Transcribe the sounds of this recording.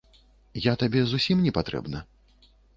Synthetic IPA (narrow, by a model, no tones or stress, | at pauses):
jat̪abʲɛzusʲimnʲɛpat̪ɾɛ̰bnɐ